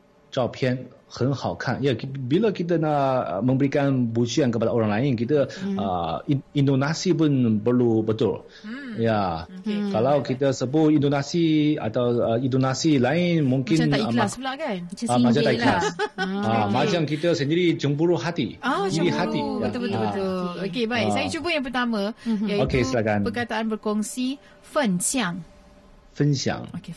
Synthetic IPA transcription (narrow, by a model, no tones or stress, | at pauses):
t͡ʃapʰiɛnhənhawkʰa̰njakibiləkit̪̬ənaʔmə̃mbəɾikanbud͡ʒiankəpadaoɾaŋlaɪnkit̪̬əə̰indonasipʊnpərlubət̪ʊ̰l | ja | kalawkit̪əsəbʊindonasia̰t̪awəindonasilaɪnmũŋkɪaiklasbəlaʔkan | amãd͡ʒaakla | amad͡ʒaŋkit̪əsəndiɾid͡ʒəmbuɾuhat̪iadidihat̪iət̪ubəubət̪ʊlokebajsajat͡ʃubəjãŋpərt̪amãjaokeslakanpərkat̪aʔanbərkɔŋsi | fənsiaŋ | fənsia̰ŋoke